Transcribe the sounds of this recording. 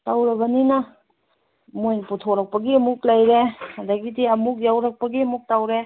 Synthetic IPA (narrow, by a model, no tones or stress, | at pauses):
tawɾɐbɐninɐ | mojnputʰoɾɐk̚pɐɡimuklajɾehadaɡidiɐmuk̚jawɾɐk̚pɐɡiɐmuk̚tawɾe